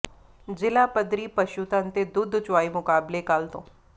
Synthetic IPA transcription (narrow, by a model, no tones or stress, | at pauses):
d͡ʒɪlaːpəd̪ɾiːpəʃut̪ãnt̪ed̪ʊd̪ʱt͡ʃwaːimʊkaːblekaːlt̪õ̰ː